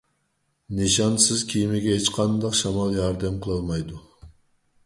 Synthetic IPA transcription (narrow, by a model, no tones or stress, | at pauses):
nɨʃɑnsɪzkʲʰijmɪɡʲɛɦet͡ʃqʰɑnd̪ɑqʃɑmɑlˠjɑɾd̪ɛmqʰəlˠɑlˠmɑjd̪u